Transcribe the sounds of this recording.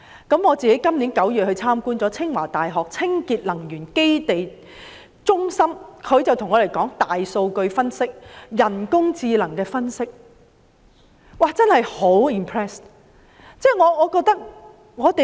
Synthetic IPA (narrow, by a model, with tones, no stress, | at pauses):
kɐ˨˥mŋɔː˨˧t͡siː˨ke˨˥jkɐ˥mniː˨˥nkɐ˨˥wjy˨t̚hɵ˧ɥt͡sʰaː˥mkuː˥nt͡sɔː˨˥t͡sʰɪ˥ŋwa̰ː˨˩t̪aː˨jɦɔː˨k̚t͡sʰɪ˥ŋkiː˧t̚lɐ˨˩ŋjyː˨˩nke˥jt̪e˨j | t͡sʊ˥ŋsɐ˥mkʰɵ˨˧ɥt͡sɐ˨wt̪ʰʊ˨˩ŋɔː˨˧le˨˩jkɔː˨˥ŋt̪aː˨jso˧wkɵ˧ɥfɐ˥nsɪ˥k̚jɐ˨˩nkʊ˥ŋt͡siː˧lɐ˨˩ŋkɛː˧fɐ˥nsɪ˥k̚ | waː˨˩t͡sɐ˥nhɐ˨jho˨˥wiː˨mpʰɹɛː˥st | t͡sɛː˥˩ŋɔː˨˧ŋɔː˨˧kɔː˧k̚t̪ɐ˥k̚ | ŋɔː˨˧t̪e˨